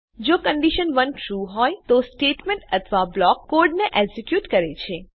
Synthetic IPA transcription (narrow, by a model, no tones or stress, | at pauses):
d͡ʒokəɳɖiʃənʋənʈɾuɦɔjt̪osʈeʈmẽɳʈət̪ʰʋablɔkːoɾɖneʔɛɡsikjuːʈkəɾet͡ʃʰe